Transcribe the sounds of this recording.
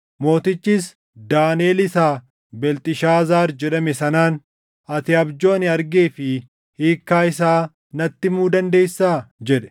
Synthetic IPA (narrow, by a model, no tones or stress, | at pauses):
mo̞ːt̪ɪt͡ʃːiːs | d̪aːneːlɪsaː | bɛlt̪ʼɪʃaːzaːɾd͡ʒɛᶑɐmɛsɐnaːn | ɐt̪ɪɐbd͡ʒo̞ːnɪɐɾɡeːfɪ | hiːkːaːɪsaː | nɐt̪ːɪmuːd̪ɐnd̪e̞ːjsːaːd͡ʒɛᶑɛ̥